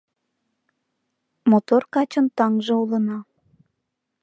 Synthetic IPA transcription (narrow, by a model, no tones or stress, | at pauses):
mot̪orkɑt͡ɕənt̪ɑŋʒĕulə̆nɑ